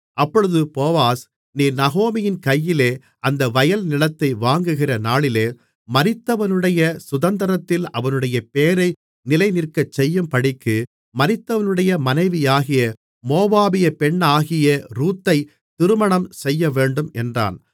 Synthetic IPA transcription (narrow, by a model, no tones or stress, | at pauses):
ʔɐpːɔɻɯðɯpoːʋaːs | niːnɐɣoːmɪjɪnkɐjːɪleː | ʔɐnd̪ɐʋɐjɐlnɪlɐt̪ːɐɪʋaːŋɡɯɣɪrɐnaːɭɪleː | mɐɾɪt̪ːɐʋɐnɯɽɐjɐsʊðɐnd̪ɐɾɐt̪ːɪlɐ̰ʋɐnɯɽɐjɐpeːɾɐɪ | nɪlɐɪnɪrkɐt͡ʃːɛjːɯmpɐɽɪkːɯ | mɐɾɪt̪ːɐʋɐnɯɽɐjɐmɐnɐɪʋɪjaːɣɪjɐ | moːbaːbɪjɐpɛɳːaːɣɪjɐɾuːt̪ːɐɪ | t̪ɪɾɯmɐɳɐmsɛjːɐʋeːɳɖɯmɛndra̰ːn